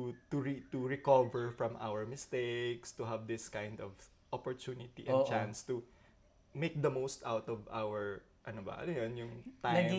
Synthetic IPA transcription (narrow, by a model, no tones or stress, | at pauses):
ut̪uɹit̪uɹɛkɔvɛɹfɹɐ̃mʔa̰wəɹmɪst̪ekst̪uɦɐvd̪ɪskajnd̪ɔv | ʔɔpɔɹt̪unɪt̪iʔɛ̃dt͡ʃãnst̪u | mejk̚d̪ɐmowst̪awt̪ɔva̰wɛɹ | ʔɐnobɐ̰ʔɐ̰lojonjʊŋt̪anɐɡ